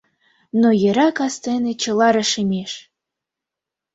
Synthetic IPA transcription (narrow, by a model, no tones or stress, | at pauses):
nojə̆ɾɑkɑst̪enet͡ɕə̆lɑɾəʃəmʲeʃ